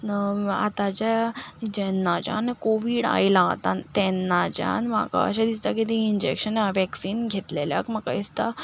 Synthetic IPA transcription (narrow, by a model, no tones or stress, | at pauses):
a̰t̪at͡ɕad͡ʑɛnːat͡ɕã̰nkoʋiːɽa̰jlaːt̪at̪ɛnːat͡ɕja̰nma̰ka̰ə̰ɕad̪ist̪akit̪iind͡ʑḛkɕənʋɛksiːnɡʱet̪lelja̰kmakaist̪a